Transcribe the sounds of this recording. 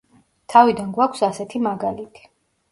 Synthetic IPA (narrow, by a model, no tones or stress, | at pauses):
t̪ʰavid̪anɡwakʷʰsasɛt̪ʰimaɡalit̪ʰi̥